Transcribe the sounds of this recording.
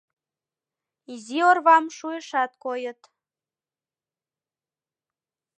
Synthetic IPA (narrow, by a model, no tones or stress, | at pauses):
iziorβɑmʃueʃɑt̪̚kojət̪